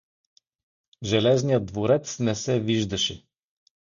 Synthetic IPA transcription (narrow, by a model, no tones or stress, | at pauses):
ʒɛlɛznijəd̪̚d̪voɾɛt̪snɛsɛviʒd̪ɐʃɛ